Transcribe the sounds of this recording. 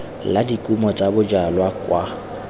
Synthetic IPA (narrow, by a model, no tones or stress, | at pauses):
ladikʼumɔt͡sʼabʊd͡ʒalwakʼwa